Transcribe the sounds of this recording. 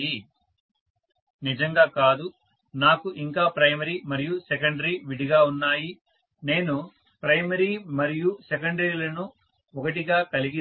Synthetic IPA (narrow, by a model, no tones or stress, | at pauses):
i | nid͡ʒɐŋɡaːkaːd̪u | naːkuʔiŋkaːpɾɐjmɐɾiːmɐɾijusɛkɐɳɖɐɾiːʋiɽiɡaːunːaːji | ne̞ːnu | pɾɐjmɐɾiːmɐɾijusek̬ɐɳɖɾiːlɐnu | ɔkɐʈiɡaːkɐliɡi